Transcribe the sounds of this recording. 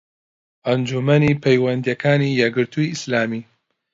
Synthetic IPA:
ʔɐnd͡ʒumɐnipʰejwɐnd̪ijɛkʰaːnijɛɡɨɾt̪ʰuiislaːmiː

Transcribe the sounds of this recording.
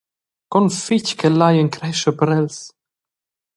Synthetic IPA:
kɔnfickɛlːajəŋkɾɛʃəpəɾɛls

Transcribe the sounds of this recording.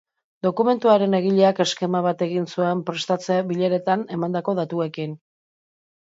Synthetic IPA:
d̪o̞kume̞nt̪uaɾe̞ne̞ɣ̞iʎe̞ake̞ske̞maβ̞at̪e̞ɣinsue̞mpɾe̞st̪at͡seaβiʎeɾe̞t̪ane̞mand̪ako̞ðat̪ue̞kin

